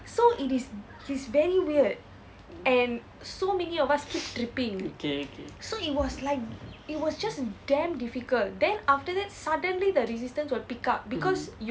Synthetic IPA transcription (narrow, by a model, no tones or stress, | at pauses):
soʔitis | hisvɛɹiwiəd | ɛ̃n | somɛniɔvaskʰip̚tɹipĩŋokeokesoit̚wɔslaɪk̚it̚wɔsd͡ʒasdɛ̃mdifikəltdɛ̃naftədɛt̚sadə̃nlidəɹisistə̃nswilpikap̚bikɔsj